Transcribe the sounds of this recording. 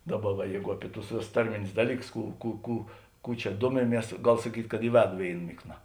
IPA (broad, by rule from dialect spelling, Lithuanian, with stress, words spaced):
ˈdɑːˌbɐ ʋɐ ˈjɛɪɡʊ ˈɑːpʲɪ tʊs ˈʋʲeːˌsʊs ˈtɐrʲmʲɪnʲʊs ˈdɑːlʲiːˌkʊs ˈkuː ˈkuː ˈkuː ˈkuː t͡ʃʲɛ ˈduɔmʲɪˌmʲiɛs ˈɡɐlˠ sɐˈkʲiːtʲ kɐt ɪ ˈʋʲæːdʊ ˈʋʲeːɪn ˈmʲɪkˌnɐ